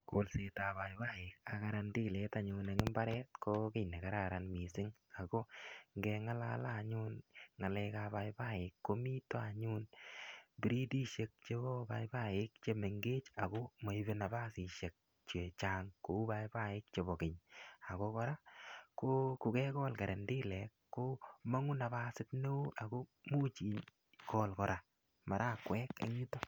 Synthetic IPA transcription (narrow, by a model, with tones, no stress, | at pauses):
ko˨lse˨ta˨ba˨jba˦˨ɪ˨k̚a˨ka˧ɾa˧ndi˦le˨ta˨ɲʊnɛ˨ŋɪ˦mba˦ɾɛ˦t̚ko˦kɪ˦jne˨ka˨ɾa˨ɾa˨nmi˨sɪ˦ŋ | a˨ko˦ŋɡɛ˧ŋa˦la˦la˨ɲʊ˦nŋa˨lɛ˧ka˧ba˨jba˦ɪ˨kːo˦mi˦to˦a˨ɲu˦n | bi˦ɾi˦di˦ʃe˨k̚t͡ʃe˦bɔ˦ba˧jba˦ɪ˦k̚t͡ʃe˧me˨ŋɡeː˦t͡ʃa˨ko˦mo˨i˦βe˦na˨ba˦si˨ʃe˨k̚ | t͡ʃe˨t͡ʃa˦ŋko˨˦ba˦jba˦ɪ˦k̚t͡ʃe˨bɔ˨kɪ˨ɲa˨ko˦kɔ˦ɾa˦ko˦kʊ˨kɛ˦kɔ˦lka˨ɾʔe˨ndɪ˦lɛ˨kːo˦ma˦ŋu˦na˨ba˦sɪ˦tne˦u˦ʔa˨ko˦mu˦t͡ʃi˨ɲ | kɔ˦lkɔ˨ɾa˨ | ma˨ɾʔa˦kwɛ˦kḛ˨ɲi˦to˦